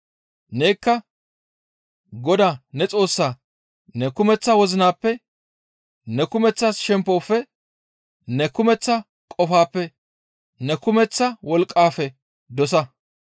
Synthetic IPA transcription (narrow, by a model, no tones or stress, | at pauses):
ne̞ːkːɐ | ɡɔd̪aːnɛt͡sʼo̞ːsːaː | nɛkʊmɛt͡sːɐwɔzɪnaːpːɛ | nɛkʊmɛt͡sːasʃɛmpːoːfːɛ | nɛkʊmɛt͡sːɐ | kʼɔfaːpːɛ | nɛkʊmɛt͡sːɐwɔlkʼːaːfɛ | d̪ɔs̬ɐ